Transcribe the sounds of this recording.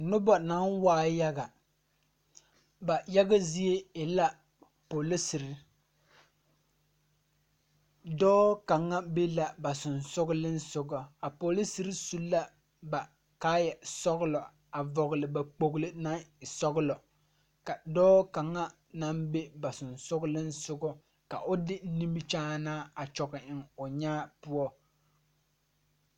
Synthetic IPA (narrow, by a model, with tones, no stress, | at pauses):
nʊ˦bɔ˨na˦nwaː˦ja˦ɡa˨ | ba˨ja˦ɡa˦zi˦e˦ɪ˨la˦ | po˨lɪ˦si˨ɾɪ˦ | dɔː˦ka˨ŋːa˦be˦la˨ba˨sʊ˨nsʊ˦ɡʊ˦lɨ˦n̩˦sʊ˨ɡɔ˨a˨po˨li˦sɨ˨ɾɨ˦su˦lːa˦ | ba˨ | kaː˦jɛ˨sɔ˦ɣlɔ˨ | a˨vɔ˨ɣlɪ˨ba˨k͡po˨ɣlɪ˦na˦˨sɔ˦ɣlɔ˨ | ka˨dɔː˦ka˨ŋːa˦ | na˦mbe˦ba˨sʊ˨nsʊ˦ɡlɪ˦nsʊ˦ɡɔ˦ | ka˨ʔʊ˦dɪ˦ni˦mbi˦t͡ʃaː˦naː˦a˨t͡ʃɔ˨ɣɪ˨ɪ˨ŋʊ˨ɲaː˦pʊ˦ɔ˦